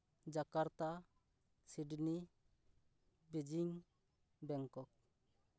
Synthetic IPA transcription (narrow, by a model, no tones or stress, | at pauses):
d͡ʒakaɾt̪a | siɖni | bid͡ʒiŋ | bɛŋkɔk̚